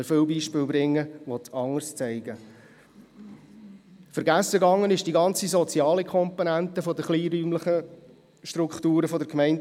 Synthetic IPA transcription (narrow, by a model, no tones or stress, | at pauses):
əfɪlbiːʃpɪːlbɾɪŋːəʋɔtɑŋːəɾst͡sɛɪɡ̥ə | fəɾɡæsːəɡɑŋːənɪʃd̥iɡɑnt͡sizɔt͡siɑːləkʰχɔmponænt̪əfɔdəχliːɾyːmləχə | ʃtɾuktuːɾəfɔdəɾkmɛɪn